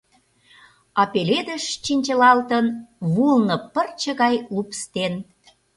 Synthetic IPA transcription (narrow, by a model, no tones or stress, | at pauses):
ɑpeled̪əʃt͡ɕinʲt͡ɕəlɑlt̪ənβulnɤ̆pərt͡ɕə̆ɣɑjlupst̪en